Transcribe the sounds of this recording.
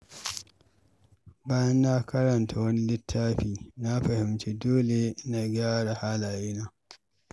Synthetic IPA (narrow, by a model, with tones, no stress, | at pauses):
baː˦jɐ˦nːa˦kɐ˦ɾɐ˨ntʰa˨wɐ˦ni˦lɪ˦tʰːaː˦ɸiː˨na˦ɸɐ˨hɪ˨mt͡ʃe˦doː˦le˨na˨ɡʲaː˦ɽa˨haː˦laː˨jeː˦na˦